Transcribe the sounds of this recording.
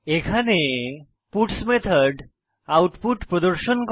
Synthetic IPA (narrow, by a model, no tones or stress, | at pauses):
ekʰane | puʈsmet̪ʰɔɾɖ | awʈpuʈpɾɔd̪ɔɾʃɔnk